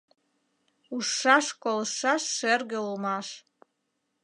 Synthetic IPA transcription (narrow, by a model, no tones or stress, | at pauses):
uʂaʂkʷʼolʂaʂːerɡalumaʂ